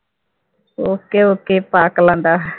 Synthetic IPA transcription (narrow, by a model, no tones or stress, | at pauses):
oːkeːoːkeːpaːklãːnd̪aː